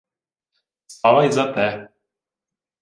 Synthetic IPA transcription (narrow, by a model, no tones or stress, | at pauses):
st̪avajzat̪ɛ